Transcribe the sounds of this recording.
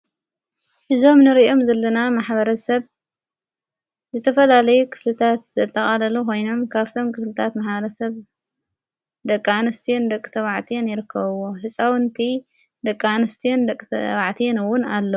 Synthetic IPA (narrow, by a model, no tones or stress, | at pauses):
ʔɨzo̞mnɨɾiʔo̞mzɐlːɐnamaħbɐɾɐsɐβ | zɨt̪ʰɐfɐlalɐjukʰɨ̥flɨt̪ʰat̪zɐt̪ʼːɐkʼalɐlukʰo̞jno̞mkʰaβt̪ʰo̞mkʰɨflɨt̪ʰat̪maħbɐɾɐsɐβ | d̪ɐkʼːanɐst̪ʰijond̪ɐkʼːɨt̪ʰɐβaʕt̪ʰijenjɪɾɨkʰːɐβɨwoħɨsʼawɨnt̪ʰi | d̪ɐkʼːanɐst̪ʰijond̪ɐkʼːβaʕt̪ʰijenɨwʊnalːɐ